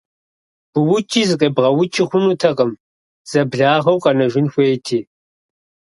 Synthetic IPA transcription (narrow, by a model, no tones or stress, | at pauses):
b̥ʊwʊt͡ʃʼiːzɨkʼebʁɐwʊt͡ʃʰʼiχʷʊnuːtʰɐqʼɐm | z̥ɐbɮaːʁɐwqʼɐnɐʒʷɪnxʷeːjtʰiː